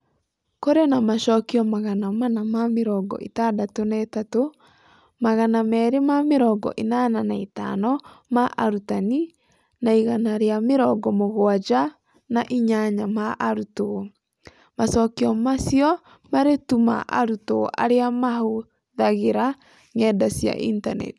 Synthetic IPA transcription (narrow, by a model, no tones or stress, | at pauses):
koɾenamaʃɔkiɔmaɣanamanamameɾɔɡɔ̰ʔḛtadatonaetato | maɣanamɛːɾemameɾɔɡɔ̰ʔenananaeta̰nɔmaʔaɾutani | naiɣanaɾeameɾɔɡɔmoɣoad͡ʒa | naʔiɲaɲamaʔaɾuto | masɔːkiɔmasjɔ | maɾetuma̰ʔa̰ɾuto̰ʔa̰ɾeamaɦo | ðaɣeɾa | ŋɛdasja̰ʔḭntanɛ̰ti̥